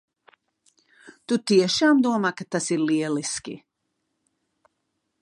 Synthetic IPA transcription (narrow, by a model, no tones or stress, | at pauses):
t̪ut̪ieʃaːmd̪uɔmakat̪ːasiliɛliskḭ